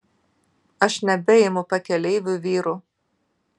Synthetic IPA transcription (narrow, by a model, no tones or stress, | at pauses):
ɐʃnʲɛbʲɛjɛmʊpɐkʲɛlʲɛɪʋʲʊʋʲiːɾʊ